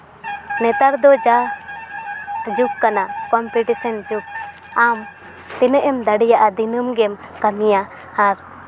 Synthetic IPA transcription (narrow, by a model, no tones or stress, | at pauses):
nɛt̪aɾd̪ɔd͡ʒa | d͡ʒup̚kanakɔmpuʈisɛnd͡ʒup̚ | am | t̪ɛnɛʔɛmd̪aɽɛjaʔad̪inəmɡɛm | kamija | haɾ